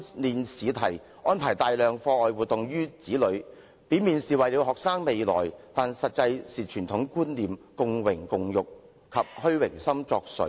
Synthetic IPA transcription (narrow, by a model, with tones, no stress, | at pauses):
liː˨nsiː˨˧t̪ʰɐ˨˩j | ɔː˥npʰaː˨˩jt̪aː˨˩jlœː˨ŋfɔː˧ʔɔː˨jwu˨t̚t̪ʊ˨ŋjyː˥t͡siː˨˥lɵ˨˧ɥ | piː˨˥nmiː˨nsiː˨wɐ˨jli˨˧˥wɦɔː˨k̚saː˥ŋme˨˧jlɔ̰ː˨˩jt̪aː˨nsɐ˨t̚t͡sɐ˧jsiː˨˩t͡ʃʰyː˨˩nt̪ʰʊ˨˥ŋkuː˥nliː˨mkʊ˨ŋwɪ˨˩ŋkʊ˨ŋjʊ˨k̚ | kʰːɐ˨p̚hɵ˥ɥwɪ˨˩ŋsɐ˥mt͡sɔː˧k̚sɵ̰˨˧˥